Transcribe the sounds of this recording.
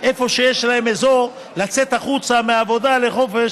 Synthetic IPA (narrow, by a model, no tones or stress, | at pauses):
ʔe̞fo̞ʃe̞jeʃlae̞mezo̞ | lat͡se̞t̪aχut͡sameaːvo̞d̪ale̞χo̞fe̞ʃ